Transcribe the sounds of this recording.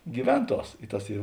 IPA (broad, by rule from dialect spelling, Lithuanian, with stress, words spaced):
ɡʲiːˈʋʲɛnˌtuɔs ɪ ˈtɐs ˈiː